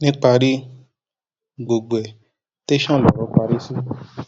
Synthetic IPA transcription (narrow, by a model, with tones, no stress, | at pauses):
nĩ˦k͡pa˧ɾi˦ | ɡ͡bo˧ɡ͡bo˨ɛ˨ | te˦ʃã˦˨lɔ˨ɾɔ˨˦k͡pa˧ɾi˦si˦